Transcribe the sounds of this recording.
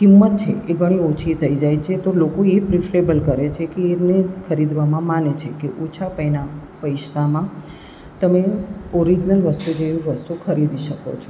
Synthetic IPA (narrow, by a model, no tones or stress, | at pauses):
kimːət̪̚t͡ʃʰḛʔeɡʱəɽ̃iot͡ʃʰit̪ʰəid͡ʒajt͡ʃʰet̪olokoepɾifʰɾebəlkəɾet͡ʃʰekeːnekʰəɾid̪ʋamãmanet͡ʃʰekeʔot͡ʃʰapəjnapəjʃamã | t̪əmeɔɾid͡ʒnəlʋəst̪ud͡ʒeũʋəst̪ukʰəɾid̪iʃəko̰t͡ʃʰo